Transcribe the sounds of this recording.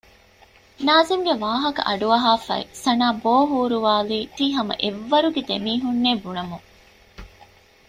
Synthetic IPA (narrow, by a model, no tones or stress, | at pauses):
naːziŋɡeʋaːɦɐkɐ̰ʔɐ̰ɖuɐɦaːfɐ̰ḭsɐnaːboːɦuːɾuʋaːliːt̪iːɦɐmɐ̰ʔeʋːɐɾuɡed̪emiːɦunːeːbuɳɐmuŋ